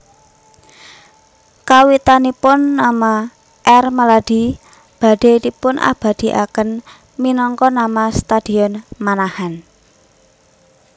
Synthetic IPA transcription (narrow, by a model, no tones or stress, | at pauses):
kawit̪anipʊnːama | ʔɛrmalad̪̥i̤ | b̥a̤ɖ̥e̤t̪ipʊnʔa̰b̥a̤d̪̥i̤ʔa̰kən | minɔŋkɔnamast̪ad̪̥i̤ɔnmanahan